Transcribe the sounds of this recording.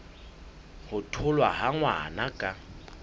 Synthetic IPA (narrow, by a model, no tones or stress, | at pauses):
hʊtʰʊlwahaŋwa̰nakʼa